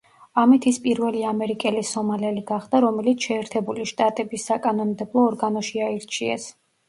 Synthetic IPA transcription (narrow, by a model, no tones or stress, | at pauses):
amit̪ʰispʼiɾvɛliamɛɾikʼɛlisɔmalɛliɡaχd̪aɾɔmɛlit̪sʰʃɛːɾt̪ʰɛbuliʃt̪ʼat̪ʼɛbisːakʼanɔnd̪ɛblˠɔːɾɡanɔʃiaiɾt͡ʃʰiɛ̰s